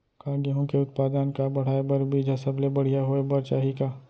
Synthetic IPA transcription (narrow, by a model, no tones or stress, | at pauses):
kaːɡəɦõkeʊt̪̚paːd̪ənkabɐɽ̤aːebəɾbiːd͡ʒʱasəblebɐɽ̤ijaɦoebəɾt͡ʃaːɦika